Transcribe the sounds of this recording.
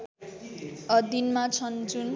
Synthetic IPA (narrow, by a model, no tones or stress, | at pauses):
ʌd̪inmat͡sʰʌnd͡zun